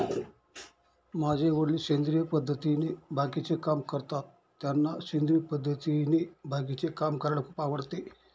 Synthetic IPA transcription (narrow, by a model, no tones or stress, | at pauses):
mad͡ʑʱeʋəɽliɕend̪ɾijəpəd̪ʱːət̪inebʱakit͡sekamkəɾt̪at̪ːjanːaɕend̪ɾijəpəd̪ʱːət̪inebʱak̬it͡sekamkəɾlakʰupaʋəɽt̪e